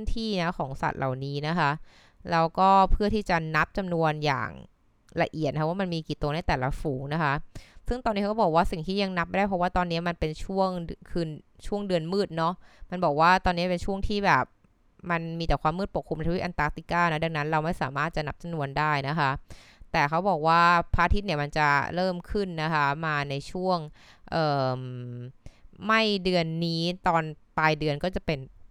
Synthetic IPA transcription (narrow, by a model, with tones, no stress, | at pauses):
nt̪ʰiː˥˩na˦˥kʰɔː˩˦ŋsa̰˨˩t̪̚lʔa̰˨˩wniː˦˥na˦˥kʰa˦˥ʔ | lɛː˧˥wkɔː˥˩pʰɯ˥˩ət̪ʰiː˥˩t͡ɕa˨˩na˦˥p̚t͡ɕa˧mnu˧ənja̰ː˨˩ŋ | la̰˧ʔi˨˩t̪na˧kʰwaː˥˩ma˧nmiː˧kiː˨˩t̪oː˧na˥˩jt̪ɛː˨˩la˦fuː˩˦ŋna˦˥kʰa˦˥ʔsɯ˥˩ŋt̪ɔː˧ni˦˥kɔ˥˩bɔː˨˩kwaː˥˩si˨˩ŋt̪ʰiː˥˩ja˧ŋna˦˥p̚a˧jdaː˥˩pʰɔ˦˥waː˥˩t̪ɔː˧nːi˦˥ɐma˧npe˧nt͡ɕʰu˥˩əŋkʰɯː˧nt͡ɕʰu˥˩əŋdɯ˧ənmɯː˥˩t̪̚nɔ˦˥ma˧nbɔː˨˩k̚waː˥˩t̪ɔː˧nːi˦˥˩pe˧nt͡ɕʰu˥˩əŋt̪ʰiː˥˩bɛː˨˩p̚ | ma˧nmiː˧t̪ɛː˨˩kʰwaː˧mːɯː˥˩pu˨˩kʰːu˧ma˧˩t͡ɕʰi˨˦˥ʔa˧nt̪aː˨˦˥k̚t̪i˨˩kaː˥˩nɔ˦˥˩da˧ŋna˦˥nɾa˧wma˥˩jsaː˨˩˦maː˥˩t̪̚t͡ɕa˨˩na˦˥p̚t͡ɕa˧nu˧əndaː˥˩jna˦˥kʰa˦˥ | t̪ɛː˨˩kʰa˦˥wbɔː˨˩k̚waː˥˩pʰaː˧t̪ʰi˦˥ni˧˩əma˧nt͡ɕa˨˩ɾɤː˥˩mkʰɯ˥˩nːa˦˥kʰa˦˥maː˧na˧jt͡ɕʰu˥˩əŋʔɤː˨˩m | ma˥˩jdɯ˧ənːiː˦˥t̪ɔː˧npaː˧jdɯ˧ənkɔː˥˩t͡ɕa˨˩pe˧n